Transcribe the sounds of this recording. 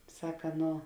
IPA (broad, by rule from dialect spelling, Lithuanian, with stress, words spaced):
ˈsɑːkɐ ˈnoː